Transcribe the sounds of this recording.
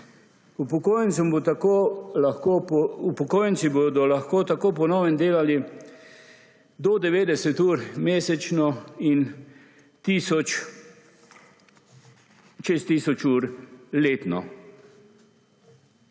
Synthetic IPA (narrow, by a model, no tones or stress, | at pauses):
upɔkoːjənt̪sumbot̪akolaxkoɔupɔkoːjənsibod̪ɔlaxkoːt̪akoːp̬ɔnɔːwɛnd̪eːlali | d̪ɔd̪ɛʋeːd̪ɛsɛt̪uːɾmeːsɛt͡ʃnɔin | t̪iːsɔt͡ʃ | t͡ʃest̪iːsɔt͡ʃuːɾleːt̪nɔ̰